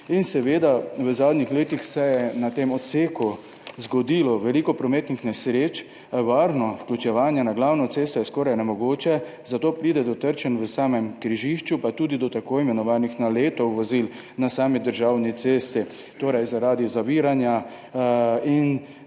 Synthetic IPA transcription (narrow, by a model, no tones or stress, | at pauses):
insɛʋeːd̪aʋəzaːd̪nixleːt̪ixsɛjɛnat̪emɔt̪seːku | zɡɔd̪iːlɔʋɛlikɔpɾɔmeːt̪nixnɛsɾeːt͡ʃ | ʋaːɾnɔfklʲut͡ʃɛʋaːnjɛnaɡlawnɔseːst̪ɔjɛskɔːɾajnɛmɔɡoːt͡ʃɛ | zat̪oːpɾiːd̪ɛd̪ɔt̪əɾt͡ʃɛnʋəsaːmɛmkɾiʒiʃt͡ʃupat̪uːd̪id̪ɔt̪akoːimɛnɔʋaːnixnaleːt̪ɔwʋɔzil | nasaːmid̪əɾʒaːwnit̪seːst̪i | t̪oːɾajzaɾaːd̪izaʋiːɾanja | in